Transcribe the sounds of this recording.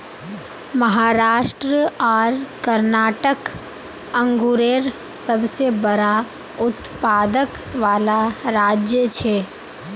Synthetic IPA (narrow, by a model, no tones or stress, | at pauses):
məɦaːɾaːʃʈɾəaːɾkəɾnaːʈək | ə̃ŋɡuɾeːɾ | səbsebəɾa | ʊt̪paːd̪ək | ʋaːlaɾaːd͡ʒjət͡ʃʰeː